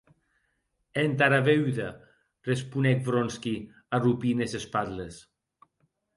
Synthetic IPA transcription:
ent̪aɾaβewða | respunɛk̚bɾonski | arupinesespaðles

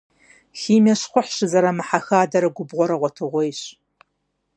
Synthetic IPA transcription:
xiːmʲɐɕχʷʊħɕɪzɐɾɐmɨħaxaːdɐɾɐɡʷʊbʁʷɔɾɐʁʷɔtʰɨʁʷɔjɕ

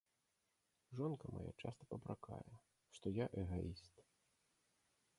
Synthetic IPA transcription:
ʐɔnkɐma̰ja̰t͡ʂast̪ɐpɐpɾakʰa̰jɛ | ʂt̪ɔjaʔɛɣaist̪

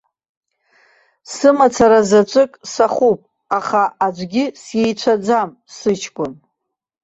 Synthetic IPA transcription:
sɨmat͡sʰaɾazat͡ʃʷʼɨkʼsaχupʼ | aχaad͡ʒʷɡʲɪsje̞jt͡ʃʷʰad͡zam | sɨt͡ʃʰkʷʼʊn

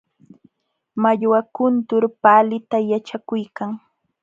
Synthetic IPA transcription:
maʎwakʊnt̪ʊɾpaːlɪt̪ajat͡ʃakʊjkaŋ

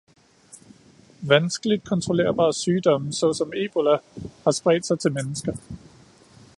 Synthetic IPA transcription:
ʋænsɡ̥əlid̥̚kʰɒ̽nt͡sʰʁo̝le̝̰ːɐb̥ɑ̰̈ːsyːd̥ɒ̽m̰̩sɒ̽sɒ̽me̝ːb̥o̝læhɑ̈sb̥ʁɛ̰ːd̥sɑ̈ɪt͡sʰe̝lmenəsɡ̥ɐ

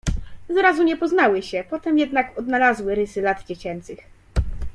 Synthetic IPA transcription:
zɾazuɲɛpɔznawɘɕɛpɔt̪ɛmjɛd̪nakɔd̪nalazwɘɾɘsɘlad̪d͡ʑet͡ɕɛnt̪sɘx

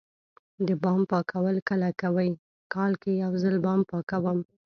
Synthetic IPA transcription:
d̪əbɑmpɑkʰawəlkəlakawəj | kɑlkejawzəlbɑmpɑkawəm

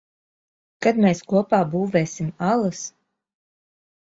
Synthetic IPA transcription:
kad̪mʲeːskuɔpaːbuːveːsʲimalˠɐs

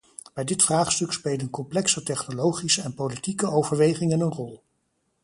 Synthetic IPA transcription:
b̥ɛjdɪtfraːχstɵkspejlˠdənkɔmplɛksətɛχnolowχisəɛnpowlitikəowvəɹʋejχɪŋənənrɔlˠ

